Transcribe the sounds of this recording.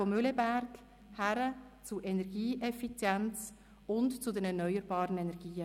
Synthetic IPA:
omʏlebæɾt | hæɾət͡suʔɛnɛɾɡiːʔɛfit͡sjɛnt͡s | ʊntt͡sudɛnɛɾnœʏəɾbɑːɾənɛnɛɾɡ̥iːə

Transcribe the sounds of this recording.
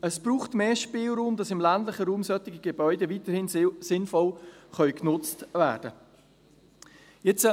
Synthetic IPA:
əsb̥ɾuːχtmeːʃpiːlɾuːmd̥ɑsɪmlændlɪχəɾuːmsœtɪɡiɡebœʏdeviːtəɾhɪnsɪnfɔlχœʏknʊt͡stvæːd̥ə | jɛt͡sə

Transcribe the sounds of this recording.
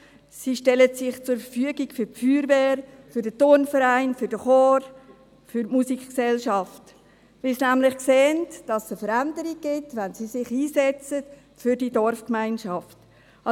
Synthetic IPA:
siʃtɛlətsɪχt͡sʊɾfəɾfyəɡiɡfʏfyːɾʋɛːɾfʏɾdətʊrnfəɾæɪnfʏɾd̥əχɔːɾ | fʏɾmusikksɛlʃɑft | ʋɪlsnæmlɪχkseːəntd̥ɑsəfəɾændəɾiɡ̚ɡ̥ɪtʋænsisɪχiːsɛt͡sət | fʏɾdidɔɾfkmæɪnʃɑft | ɑ

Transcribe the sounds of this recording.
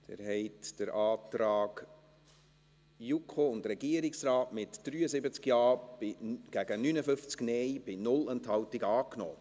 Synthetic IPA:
d̥ɛ̰ːɾhɛɪtd̥əɾɑːtɾɑːɡ | jukʰχoʊndɾɛɡiəɾɪksɾɑːtmɪtd̥ɾyːəzɪbət͡skjɑːbɪɡ̥æɡənynəfʏft͡sknɛjb̥ɪnʊlɛnthɑwtɪɡɑːknɔ̰ː

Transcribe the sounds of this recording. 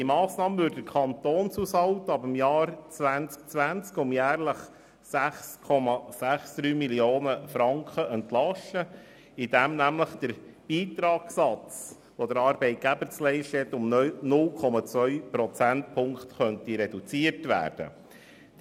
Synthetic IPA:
imɑːsnɑːməvʏɾddəɾkʰɑnt̪oːnshuːshɑwt̪əɑbəmjɑːɾt͡sʋænt͡sk̚t͡sʋænt͡skʊmjæːɾləχ | sæχskʰɔmɑsæχsd̪̥ɾyːmilioːnəfɾɑŋkχəɛnt̪lɑʃə | id̥̪æmnæmləχd̥əɾb̥iːt̪ɾɑːɡsɑt͡s | ʋod̪əɾɑːɾbɛɪt̪̚ɡ̥æbəɾt͡slɛɪʃtɛt̪ʊmnʊlkʰɔmɑt͡sʋœʏpɾɔt͡sænt̚pʰʊŋkχt̪χœnt̪iɾɛdut͡siəɾtʋæ̰ːɾd̥ə̰

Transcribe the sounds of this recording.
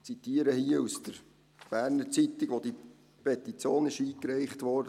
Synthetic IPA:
t͡sit̪iəɾəhiəusd̥əɾ | b̥æːɾnəɾt͡sit̪ɪɡʋod̥i | pɛt̪it͡sjoːnɪʃiːkɾɛɪχtʋɔɾd

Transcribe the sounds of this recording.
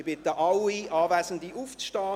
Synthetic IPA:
b̥ɪt̪əʔɑwiʔɑːvæːsən̩d̪iʔuft͡sʃtɑː

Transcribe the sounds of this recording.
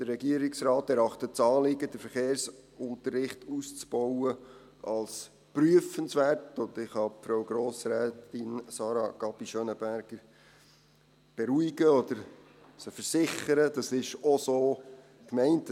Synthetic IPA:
d̥ərːɛɡiəɾɪksrɑːtɛɾɑχtətt͡sɑːlɪɡədəfəɾχeːɾsʊnt̪ərːɪχtust͡sb̥ɔwə | ʔɑls | pryəfənsʋæːrtʊndɪχhɑpfɾowɡɾoːsɾɛːtɪnsɑːɾɑɡ̥ɑpiʃønəbæɾɡ̥əɾ | b̥ɛɾuiɡəɔdəɾ | səfəɾsɪχəɾəd̥ɑsɪʃɔsoː | kmɛɪnt

